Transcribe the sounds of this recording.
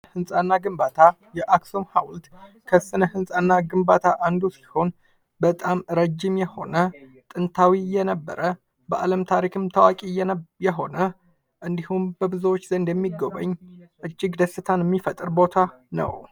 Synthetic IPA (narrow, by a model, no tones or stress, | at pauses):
hɨnsʼanːaɡɨmbat̪ʰa | jɛʔaksomhawlt̪ | kʰəsɨnəhɨnsʼanːaɡɨmbat̪ʰaʔand̪usi̥ho̞n | bət̪ʼamɾəd͡ʒːɪmjɛho̞̰nə | t̪ʼɨnt̪ʰawijɛnəbːə̰ɾʔə | bəʔaləmt̪ʰaɾikʰɨmt̪ʰəwakʼijɛɦo̞nə | ʔɨnd̪ihumbəbɨzowot͡ʃːzənd̪jɛmːiɡo̞βə̰ɲːʔɨd͡ʒːɪɡd̪əsːɨt̪ʰanjɛmːifət̪ʼɨɾbo̞t̪ʰa | nə̰w